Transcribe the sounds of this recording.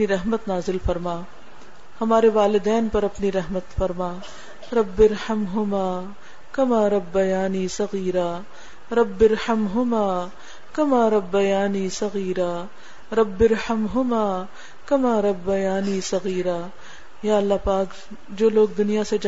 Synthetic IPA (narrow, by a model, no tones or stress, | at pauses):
niɾɛɦmət̪naːzɪlfɐɾmaː | hɐmaːɾeʋaːlɪd̪ɛːnpɐɾɐpniɾɐɦmət̪fɐɾmaː | ɾɐbːɪɾhɐmɦʊmaː | kɐmaːɾɐbːɐjaːniːsɐɣiːɾaː | ɾɐbːɪɾhɐmɦʊmaː | kɐmaːɾɐbːɐjaːniːsɐɣiːɾaː | ɾɐbːɪɾhɐmɦʊmaː | kɐmaːɾɐbːɐjaːniːsɐɣiːɾaː | jaːɐlːaɦpaːk | d͡ʒoːloːɡ̚d̪ʊnijased͡ʒ